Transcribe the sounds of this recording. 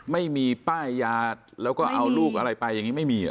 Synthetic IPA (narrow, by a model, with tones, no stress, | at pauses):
ma˥˩jmiː˧paː˥˩jːaː˦˧˩t̪̚lɛː˦˥wkɔː˥˩ʔʔa˧wluː˥˩k̚ʔa˧ɾa˧jpa˧jːa˧ŋi˦˥ma˥˩jmiː˧a̰˨˩